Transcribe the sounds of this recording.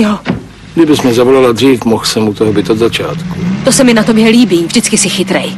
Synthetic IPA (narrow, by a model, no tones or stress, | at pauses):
jo | dɪbɪsmɛzavolaladr̝iːfmoxsɛmut̪oɦobɪt̪od̪zat͡ʃaːt̪kut̪osɛmɪnat̪o̞bjɛliːbiːvdɪt͡skɪsɪxɪt̪ɾɛj